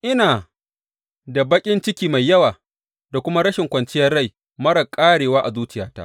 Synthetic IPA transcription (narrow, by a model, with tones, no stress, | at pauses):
ʔɪ˦naː˨ | da˨bɐ˦kʲʼɪ˦nt͡ʃɪ˦kʲiː˦ma˨jːɐ˦waː˨ | da˨kʷʊ˦ma˦ɽɐ˦ʃɪ˨ŋkʷɐ˨nt͡ʃɪ˦jɐ˦rːa˦j | mɐ˦ɽɐ˨kʼaː˦ɽeː˨waː˦ʔa˨zuː˦t͡ʃɪ˦jaː˦ta̰ː˦ʔ